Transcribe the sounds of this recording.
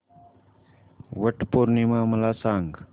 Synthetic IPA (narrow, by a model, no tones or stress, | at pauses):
ʋəʈpoːɾnimãːməlaːsaːŋɡ